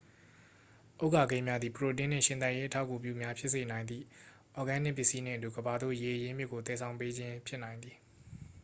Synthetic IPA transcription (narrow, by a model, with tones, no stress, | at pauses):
ʔo˦ʊʔka˨ɡẽ˦ɪ̃mja˦d̪i˨pəɹo˨t̬ɪ̃˦n̥ɪ̰̃˦˨ʃɪ̃˦˨na˦ʔje˦ʔətʰa̰˦ʊkːu˨pjṵ˦˨mja˦pʰjɪ˦ʔse˨nã˨ɪ̃nd̪ðḭ˦˨ | ʔɔ˨ɡã˦˨n̥ɪ̰̃˦˨pjɪ˦ʔsi˦n̥ɪ̰̃˦˨ətu˨ɡəba˨d̪o̰˦˨je˨ʔəjɪ̃˦mjɪ˦ʔkːo˨t̪ɛ˨sʰã˨ʊ̃mpe˦d͡ʑɪ̃˦pʰjɪ˦ʔnã˨ɪ̃nd̪ði˨